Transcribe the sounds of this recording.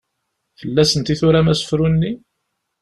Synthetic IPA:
θəlːæsənt̪iθuɾæmæsə̥fɾunːi

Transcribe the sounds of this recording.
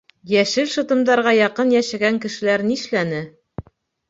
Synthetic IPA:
jæʃɘlʃɤ̆t̪ɤ̆md̪ɑɾʁɑjɑqɤnjæʃæɡæŋkɘ̆ʃɘ̆læɾniʃlænɘ

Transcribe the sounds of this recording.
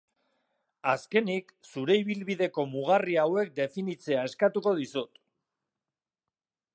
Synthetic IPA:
aske̞niksuɾe̞iβ̞ilβiðe̞ko̞muɣ̞ariawe̞k̚d̪e̞finit͡se̞ae̞skat̪uko̞ðisut̪

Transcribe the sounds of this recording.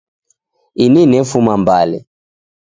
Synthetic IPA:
ininɛfumambalɛ̰

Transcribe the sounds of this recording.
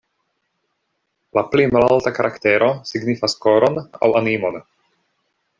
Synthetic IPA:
laplimalaltakaɾʔakteɾo̞siɡnifaskoɾona̰wanimon

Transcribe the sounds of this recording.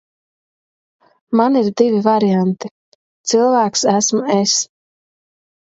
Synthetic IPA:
maniɾd̪ivivaɾijant̪i | t̪sɨlˠvæːksæsmues

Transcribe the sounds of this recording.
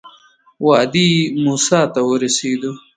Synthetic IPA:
wɑːd̪imuːsɑːt̪awəɾaseːd̪u

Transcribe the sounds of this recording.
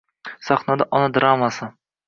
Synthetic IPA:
saχnad̪aʔɒnad̪ɾamasɪ

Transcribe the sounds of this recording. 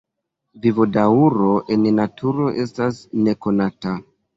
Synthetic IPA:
vivodauɾo̞ʔe̞nnatʰuɾo̞ʔe̞stasne̞ko̞nata

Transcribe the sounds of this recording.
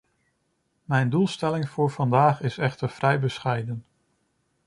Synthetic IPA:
mɛjndulˠstɛlɪŋv̥ʊːɹvɑndaːχɪsɛχtəɹv̥rɛjbəsχɛjdən

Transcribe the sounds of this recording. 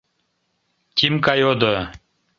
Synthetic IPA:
tʲimkajod̪ə

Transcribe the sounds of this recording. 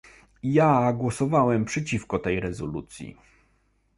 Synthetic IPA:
jaɡwɔsɔvawɛmpʂɛt͡ɕifkɔt̪ɛjɾɛzɔlṵt̪sʲjḭ

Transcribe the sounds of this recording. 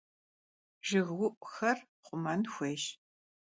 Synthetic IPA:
ʒɨɣwʊʔʷʼxɐr | qʷʊmɐnxʷeːʃ

